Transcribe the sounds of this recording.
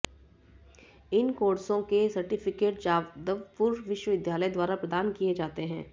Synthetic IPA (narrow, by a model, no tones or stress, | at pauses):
ɪnkoːɽsõkesɐɾʈɪpʰɪkeːʈd͡ʒaːd̪əʋpʊɾʋɪʃwəʋɪd̪ʱjaːləjd̪waːɾapɾɐd̪aːnkijed͡ʒaːt̪eɦɛ̃ː